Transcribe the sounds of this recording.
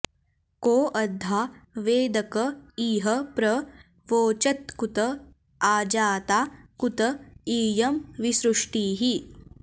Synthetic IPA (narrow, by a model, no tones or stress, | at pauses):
koːʔɐd̪ʱːaʋeːd̪ɐkɐiːɦɐpɾɐ | ʋoːt͡ʃɐt̪kut̪ɐ | aːd͡ʒaːt̪akut̪ɐiːjɐmʋisɾuʂʈiːɦi